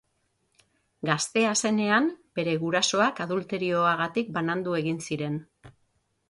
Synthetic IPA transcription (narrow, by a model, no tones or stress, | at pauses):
ɡast̪e̞ase̞ne̞amb̥e̞ɾe̞ɣuɾaso̞akaðult̪e̞ɾio̞aɣ̞at̪ik̚banand̪ue̞ɣinsiɾe̞n